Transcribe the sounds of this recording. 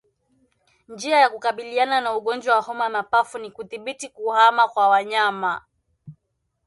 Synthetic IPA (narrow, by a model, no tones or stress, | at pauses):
nd͡ʒiajakukaɓiliananauɠɔnd͡ʒwawahɔmamapafunikuθiɓitikuhamakwawaɲama